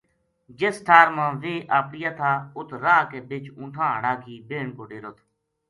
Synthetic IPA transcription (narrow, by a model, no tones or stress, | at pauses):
d͡ʒesʈʰaːɾmãːʋeːʔaːpɽɪjaːt̪ʰaːʊt̪ʰɾaːkeːbɪt͡ʃũːʈʰãːɦəɳaːkʰiːbeːɳkoːʈeːɾoːt̪ʰ